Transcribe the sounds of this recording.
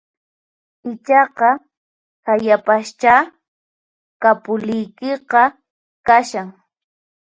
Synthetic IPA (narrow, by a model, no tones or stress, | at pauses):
ɪt͡ʃɑqɑ | hajapaʃt͡ʃa | kapʊlɪjkɪqɑ | kaʃaŋ